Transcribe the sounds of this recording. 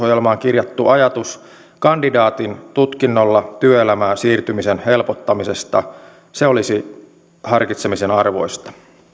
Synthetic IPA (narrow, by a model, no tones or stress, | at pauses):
ojelmɑːŋkirjɑt̪ːuʔɑjɑt̪us | kɑndidɑːt̪int̪ut̪kinːolːɑt̪yøelæmæːsiːrt̪ymisenhe̞lpot̪ːɑmisest̪ɑ | seolisi | hɑrkit̪semisenɑrʋo̞̰jst̪ɑ̥